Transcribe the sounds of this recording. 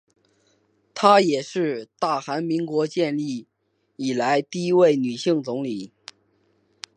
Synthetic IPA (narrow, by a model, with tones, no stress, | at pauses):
t̪ʰa˥jɛ˨˩ʂɻ̩˥˧t̪a˥˩xa˧˥nmi˧˥ŋkwɔ˧˥t͡ɕjɛ˥˧nli˥˩ | i˨˩la˧˥ɪt̪i˥˧i˥we˥˩ɪny˨˩ɕi˥˩ŋt͡sʊ˧˥ŋli˨˩˦